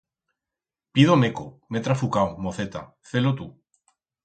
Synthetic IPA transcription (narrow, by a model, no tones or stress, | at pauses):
piðomekomet̪ɾafukawmoθet̪a̰ | θelot̪u